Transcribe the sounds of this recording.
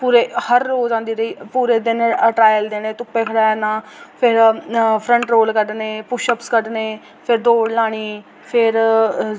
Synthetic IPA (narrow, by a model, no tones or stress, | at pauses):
puːɾeːhəɾːoːd͡ʒãːnd̪iːɾəiːpuːɾeːd̪ɪnəʈɾaːjəld̪eːneːt̪ʊpːeːkʰəɽaːnãːpʰɪɾpʰɾə̃ɳʈɾoːlkəɖneːpʊʃəpskəɖneː | pʰɪɾd̪oːɽlaːɽ̃iː | pʰɪɾ